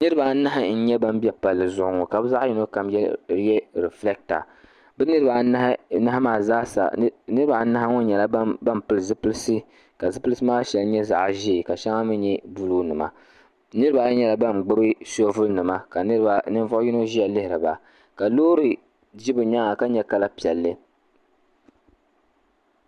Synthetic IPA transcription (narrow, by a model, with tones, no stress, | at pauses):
nɨ˦ɾɨ˦ba˨˦na˦ɦɪ˨˦n̩˦ɲɛ˦ba˦m˦bi˦ɛ˦pa˨lːɨ˨zʊ˨ʔʊ˨ŋo˨ka˨bɨ˦za˦ʔi˦no˦ka˨mjɛ˦jɛ˦ɾɛ˨flɛ˦k̚ta̰˨ | bɨ˦nɨ˦ɾɨ˦ba˨na˦hna˦ha˦maː˨zaː˦sa̰˨nɨ˦ɾɨ˦ba˨˦na˦ha˦ŋʊ˦n˦ɲɛ˨la˦bba˦m˨pɨ˨lɨ˨zɨ˦pɨ˦lsɨ˦ | ka˨zɨ˦pɨ˦lɨ˦sɨ˦maː˦ʃɛ˨lɲɛ˦za̰˨ʔʒi˦˨ka˨ʃɛ˦ŋa˦mɨ˦ɲɛ˦bu˦lu˦nɨ˨ma˨ | nɨ˦ɾɨ˦ba˨˦ɲɛ˦la˨ba˦˨mɡ͡bʊ˦bɨ˦so˦vʊ˦lnɨ˨ma˦ka˨nɨ˦ba˨nɨ˦n˦vɔ˦ʔji˦no˦ʒi˦ɛ˨lɪ˦hɪ˨ɾɨ˨ba˨ | ka˨loː˦ɾɨ˨ | d͡ʒi˦bɨ˨ɲa˦ŋa˨ka˦ɲɛ˨ka˦la˦pi˨ɛ˨lːɨ˦